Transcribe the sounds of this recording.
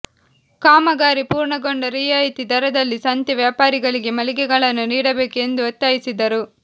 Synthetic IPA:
kaːmɐɡaːɾipuːɾɳɐɡoɳɖɐɾijaːjit̪id̪ɐɾɐd̪ɐlːisɐnt̪jɐʋjaːpaːɾiɡɐɭiɡe̞mɐliɡɛɡɐɭɐnːuniːɽɐbe̞ːkue̞nd̪uot̪ːaːjisid̪ɐɾu

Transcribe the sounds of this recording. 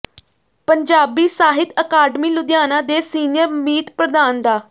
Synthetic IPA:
pəɲd͡ʒaːbiːsaːɦɪt̪əkaːɖmiːlʊd̪jaːnãːd̪eːsiːnɪjəɾmiːt̪pɾəd̪aːnd̪aː

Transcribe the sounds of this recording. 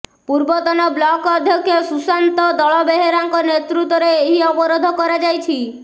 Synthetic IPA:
puɾbɔt̪ɔnɔblɔkɔd̪ʱjɔkʰjɔsusant̪ɔd̪ɔɭɔbeɦeɾaŋkɔnet̪ɾut̪ɔɾeːɦiɔbɔɾod̪ʱɔkɔɾad͡ʒajt͡ʃʰi

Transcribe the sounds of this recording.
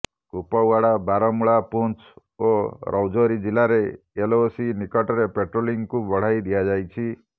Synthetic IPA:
kupɔwʋaɽabaɾɔmɭapunt͡ʃ | oɾʔɔwd͡ʒoɾid͡ʒilaɾeː | losinikɔʈɔɾepeʈɾoliŋɡkũbəɽ̤ajd̪ijad͡ʒajt͡ʃʰi

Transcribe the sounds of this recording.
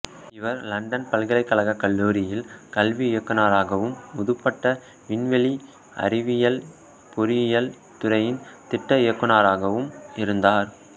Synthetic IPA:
ɪʋɐɾlɐɳɖɐnpɐlɣɐlɐɪkːɐlɐɣɐkːɐɭːuːɾɪjɪlkɐlʋiɪjɐkːɯnaːɾaːɣɐʋɯmːʊðɯpːɐʈːɐ | ʋɪnʋɛɭi | ʔɐ̰ɾɪʋɪjɐl | pʊɾɪjɪjɐl | t̪ʊɾɐjɪnt̪ɪʈːɐɪjɐkːɯnaːɾaːɣɐʋɯmɪɾɯnd̪aːɾ

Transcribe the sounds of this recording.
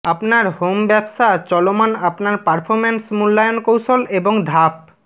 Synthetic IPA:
apnaɾhombɛbʃat͡ɕɔlomanapnaɾpaɾpʰoɾmensmulːajonkowʃoleboŋd̪ʱap̚

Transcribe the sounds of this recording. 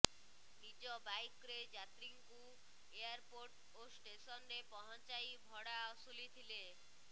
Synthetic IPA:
nid͡ʒɔbajkɾed͡ʒat̪ɾiŋku | eaɾpoɾʈ | osʈesɔnɾepɔɦɔnt͡ʃajbʱɔɽaɔsulit̪ʰile

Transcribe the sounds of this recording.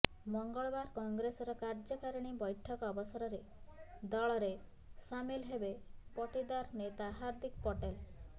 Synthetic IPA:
mɔŋɡɔɭbaɾkɔŋɡɾesɔɾɔkaɾd͡ʒɔkaɾɔɽ̃ibɔjʈʰɔkɔbɔsɔɾɔɾe | d̪ɔɭɔɾe | samilɦebepɔʈid̪aɾnet̪aɦaɾd̪ʱikpɔʈel

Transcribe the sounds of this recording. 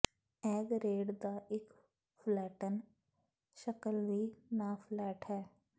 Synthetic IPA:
ɛːɡɾeːɖd̪aʔeːk | flɛːʈən | ʃəkəlʋinafʰlɛːʈɦɛː

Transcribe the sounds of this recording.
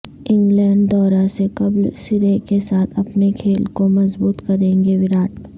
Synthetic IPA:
ɪ̃ŋɡlɛ̃ːɳɖd̪ɔːɾasekɐblsɪɾekesaːt̪ʰɐpnekʰeːlkomɐzbuːt̪kɐɾẽːŋɡeʋɪɾaːʈ

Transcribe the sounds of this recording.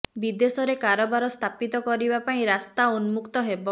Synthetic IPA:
bid̪esɔɾekaɾɔbaɾɔst̪ʰapit̪ɔkɔɾibapaĩɾast̪aunmukt̪ɔɦebɔ

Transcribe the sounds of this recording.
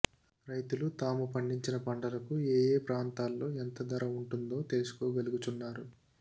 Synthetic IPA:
ɾɐjt̪ulut̪aːmupɐɳɖiɲt͡ʃinɐpɐɳɖɐlɐkueːjeːpɾaːnt̪aːlːo̞ːent̪ɐd̪ɐɾɐuɳʈund̪o̞ːt̪elusu̥koːɡɐluɡut͡ʃunːaːɾu

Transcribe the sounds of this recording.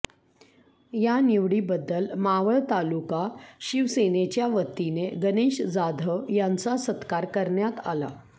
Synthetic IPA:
janiʋɽiːbəd̪ːəlmaʋəɭt̪alukaɕiʋsenet͡ɕjaʋət̪ːineɡəniɕd͡zad̪ʱəjant͡sasət̪kaɾkəɾɳjat̪a̰la̰

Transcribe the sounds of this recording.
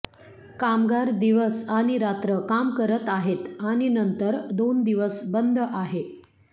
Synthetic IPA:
kamɡaɾd̪iʋəsaɽ̃iɾat̪ɾəkamkəɾət̪aɦet̪aɽ̃inənt̪əɾd̪ond̪iʋəsbənd̪ʱəʔaɦe

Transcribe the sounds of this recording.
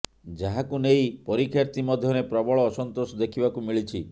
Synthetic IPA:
d͡ʒaɦakunejpɔɾikʰjaɾt̪imɔd̪ʱjɔɾepɾɔbɔɭɔːsɔnt̪osɔd̪ekʰibakumiɭit͡ʃʰi

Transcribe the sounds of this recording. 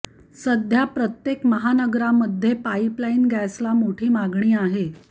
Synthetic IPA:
səd̪ʱjapɾət̪jekməɦanəɡɾaməd̪ʱːjepaiplainɡæslamoʈʰiːmaɡɳ̃iːaɦe

